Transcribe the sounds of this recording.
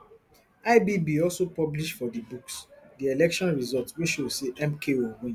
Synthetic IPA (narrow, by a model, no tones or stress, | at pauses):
aɪbibiɔlsopɔbliʃtfɔdibuksdielɛkʃɔ̃nɹizɔltwiʃoseʔɛ̃mkʰeoɡĩ